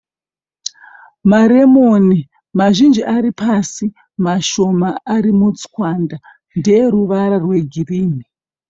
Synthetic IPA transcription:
maɾemoni | maʒind͡ʒiʔaɾipʰasi | maʃo̞maaɾimut͡skwanda | ndejeɾuʋaɾarwe̞ɡʱiriːmi

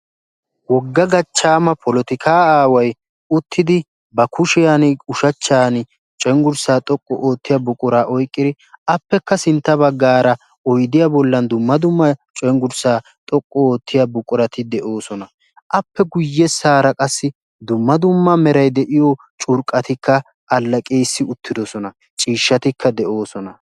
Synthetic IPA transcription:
wɔɡːɐɡɐt͡ʃːaːmɐpʰɔlɔt̪ɪkʰaːaːwɐj | ʊt̪ʰːɪd̪ɪ | bɐkʰʊʃɪjaːnʊʃɐt͡ʃːaːnɪ | t͡ʃʼɔŋɡʊɾsaːt̪ʼɔkʼːɔʔoːt̪ːɪjɐbʊkʼʊɾaːʔɔjkʼːɪd̪ɪ | ɐpːɛkːɐsɪnt̪ːɐbɐɡːaːɾɐ | ɔjd̪ɪjabɔlːɐnd̪ʊmːɐd̪ʊmːɐt͡ʃʼɔŋɡʊɾsaː | t̪ʼɔkʼːɔoːt̪ʰːɪjabʊkʼːʊɾɐt̪ʰɪd̪ɛʔo̞ːsɔnɐ | ʔɐpːɛɡʊjːɛsaːɾɐkʼɐsːɪ | d̪ʊmːɐd̪ʊmːɐmɛɾɐjd̪ɛʔɪjo | t͡ʃʼʊɾkʼːɐt̪ɪkʰːɐ | ʔɐlːɐkʼe̞ːsːɪʊt̪ʰːɪd̪ɔsɔnɐ | t͡ʃʼiːʃːɐt̪ɪkʰːɐd̪ɛʔo̞ːsɔnɐ

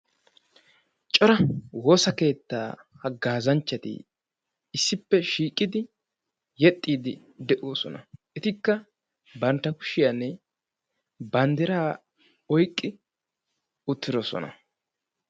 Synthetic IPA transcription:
t͡ʃʼɔɾɐwo̞ːsɐke̞ːt̪ːa̰ː | hɐɡaːzɐnt͡ʃːɐt̪ɪ̰ | ɪsːɪpːɛʃiːkʼːɪd̪ɪ | jɛt̪ʼːiːd̪ɪ | d̪ɛʔoːsɔnɐ̰ʔɛt̪ɪkːɐ | bɐnt̪ːɐkʊ̥ʃɪjanːɛ | bɐnd̪ɪɾaː | ɔjkʼːɪ | ʊt̪ːɪd̪ɔsɔ̰nɐ̰

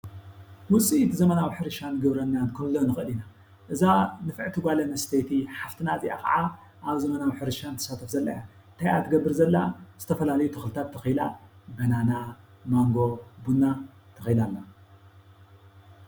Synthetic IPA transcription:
nwʊt͡sʼit̪ʰizɐmɐnawħɨɾɨʃanɨɡɨβɾɐnankʰɨmlonɨxɨɨlina | ʔɨzanɨfɨʕt̪ʰɨɡʷalɐnɐst̪ʰejt̪ʰiħaft̪ʰɨnaziʔa̰kɐ̰ʕa | ʔaβzɐmɐnawħɨɾɨʃant̪ʰɐ̥sat̪ʰɐfzɐlːɐ̰ja | t̪ʰajat̪ʰɨɡɐbːɨɾzɐlːaz̥ɨt̪ʰɐfɐlalɐjut̪ʰɐxlɨt̪ʰat̪ʰːɐxijla̰bɐnana | maŋɡo̞bunːat̪ʰɐxijlalːa

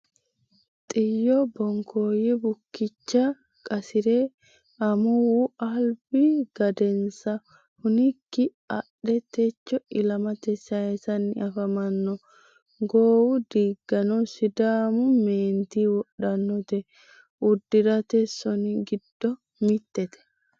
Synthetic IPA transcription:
t̪ʼɪjːɔbɔŋkʰoːjɛbʊkːɪt͡ʃːɐ | kʼɐsɪɾe | ɐmʊwuɐlb̥ɪɡ̥ɐd̪ɛnsɐ | hʊnɪkːɪ | ɐɗɛt̪ɛt͡ʃːɔɪlɐmɐt̪ɛsːɐɛsɐnɪɐfɐmɐnːɔ | ɡoːwud̪iːɡːɐnɔsɪd̪aːmʊmeːnt̪iːwɔɗɐnːɔt̪ɛ | ʊd̪ːɪɾɐt̪ɛsːɔnɪɡɪd̪ːɔ | mɪt̪ːɛt̪ɛ̥

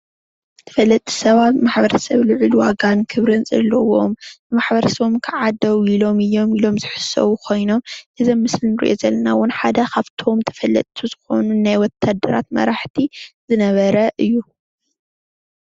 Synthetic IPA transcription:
t̪ʰɐ̥fɐlːɐt̪ʼːi̥sɐβat̪maħbɐɾɐsɐβlɨʕɨlwaɡankʰɨβɾɨnzʼɐ̰lɨwo̞mbɨmaħbɐɾɐsɐβomkʰɨʕad̪ɐwilo̞mɨjːo̞milo̞mzɨħɨ̥sɐ̰wukʰo̞jno̞mʔɨzɐmːɨslinɨɾḭʔo̞̰zɐlːɐnawʊnħad̪ɐkaβt̪ʰo̞mt̪ʰɐ̥fɐlːɐ̰t̪ʼʰːuzɨxo̞̰nunajwɔt̪ʰːad̪ːɐɾa̰t̪mɐ̰ɾaħt̪ʰizɨnɐβɐɾɐʔɨjːu

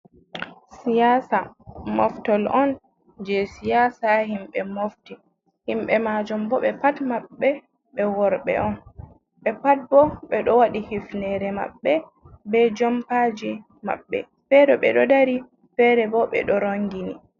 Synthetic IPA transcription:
sijasamɔftɔlɔn | d͡ʒɛsijaːsahimɓɛmofti | himɓɛmaːd͡ʒumbɔɓɛpatmaɓːɛ | ɓɛwɔɾɓɛ̰ʔɔn | ɓɛpat̚bɔɓɛɗɔwaɗihifnɛɾɛma̰ɓːɛ | bɛd͡ʒɔmpad͡ʒi | ma̰ɓːɛ̰ | fɛɗɔɓɛ̰ɗɔdaɾi | fɛɾɛbɔɓɛ̰ɗɔɾoŋɡini

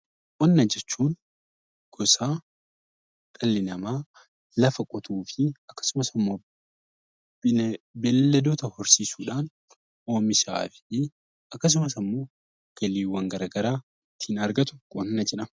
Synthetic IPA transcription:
kʼɔnːɐd͡ʒɛt͡ʃːuːn | ɡ̥ɔsaː | kʼɐlːɪnɐmaː | lɐfɐkʼɔt̪ʰuːfɪɐkːɐ̥sʊmɐsɪmːo̞ː | bɛlːɛlːɐd̪oːt̪ɐhɔɾsiːsuːᶑaːn | o̞ːmɪʃa̰ːfɪ̥ | ɐkːɐs̬ʊmɐsɐmːo̞ː | ɡ̥ɐliːwːɐŋɡɐɾaːɡɐɾaː | t̪ʰːiːnɐɾɡɐt̪ʊ̥kʼɔnːɐd͡ʒɛᶑɐm

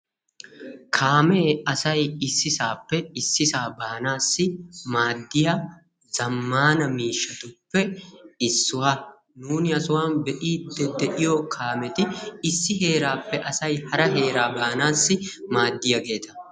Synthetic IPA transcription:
kʰaːmeːɐsɐjɪsːɪsa̰ːpːɛɪsːɪsaːbaːnaːsːɪmaːd̪ːɪja | z̥ɐmːaːnɐmiːʃːɐt̪ʊpːɛɪsːʊwaː | nuːnɪɐsʊwaːnbɛʔiːd̪ːɛd̪ɛʔɪjokʰaːmɛt̪ɪɪsːɪɦe̞ːɾaːpːɛʔɐsɐjhɐɾɐɦe̞ːɾaːbaːnaːsːɪmaːd̪ːɪjɐɡe̞ːt̪ɐ

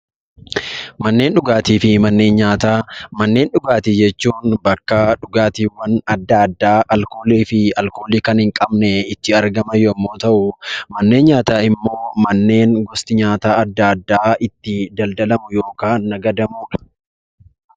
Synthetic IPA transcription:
mɐnːe̞ːnᶑʊɡaːt̪iːfɪmɐnːe̞ːnɲaːt̪aːmɐnːe̞ːnᶑʊɡaːt̪id͡ʒɛt͡ʃːuːnbɐkːɐᶑʊɡaːt̪iːwɐnɐd̪ːɐd̪ːaːɐlkoːliːfɪɐlkoːliːkɐnhɪŋkʼɐbnɛɪt̪ːɪɐɾɡɐmɐjɔmːo̞ːt̪ɐʔʊmɐnːe̞ːnɲaːt̪aːɪmːoːmɐnːe̞ːnɡɔst̪ɪɲaːt̪aːɐd̪ːɐɐd̪ːaːɪt̪ːɪd̪ɐld̪ɐlɐmʊjo̞ːkaːnːɐɡɐd̪ɐmuːᶑɐ̥

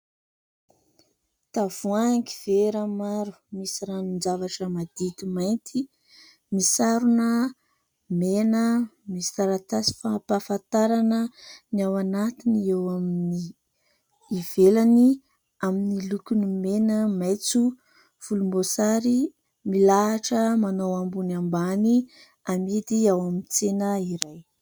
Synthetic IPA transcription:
t̪av̥uaŋkiv̥eɾamaɾu̥misiɾanind͡zavaʈ͡ʂəmad̪̥it̪imajnt̪ʰi | misaɾunə | menəmisaɾat̪asi̥fapafant̪aɾanəniawanat̪iniewaminniː | v̥elani | aminilukʲunimenəmajt͡su | v̥ulumbosaɾi | milaaʈ͡ʂəmanowambunambani | amid̪iawamint͡senəiɾaj

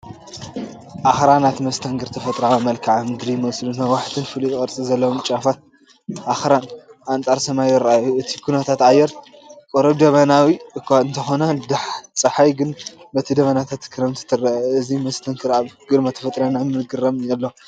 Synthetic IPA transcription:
ʔaxɾanat̪mɐst̪ʰɐŋɡʰɨɾt̪ʰɐfɐt̪ʼɾaamɐlkʰaʕamɨd̪ɾimɐwslunhɐwaħt̪ʰɨnfɨlujɪkʼɐɾt͡sʼizɐlːɐwomt͡ʃʼafat̪̚ | ʔaxɾanʔant͡sʼaɾsɐmajjɨɾaajuɨt̪ʰikʰunɐt̪ʰat̪ajːɛɾ | kʼoɾɐβd̪ɐβɐnawikɨnt̪ʰɐxo̞nɐd̪aħt͡sʼɐħajɡɨnbɐt̪ʰid̪ɐβɐnat̪ʰat̪kʰɨɾɐmt̪ʰɨ̥t̪ʰɨrɐʔɨzimɐst̪ʰɐŋɡʰɨɾaβɡ̥ɨd̪mat̪ʰɐ̥fɐt̪ʼɾanamɨlɡɨɾɐmjɐlːo

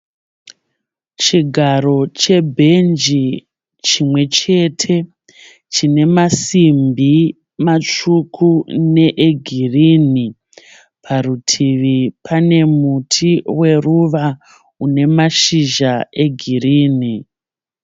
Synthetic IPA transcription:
t͡ʃiɡʱaɾo̞t͡ʃe̞bʱe̞nd͡ʒi | t͡ʃimwe̞t͡ʃe̞tʰe̞ | t͡ʃine̞masimbi | mat͡ʂukʰune̞ʔeɡʱiriːni | pʰarutʰiʋipʰane̞mutʰiwe̞ruʋa | une̞maʃiʒae̞ɡʱiriːni

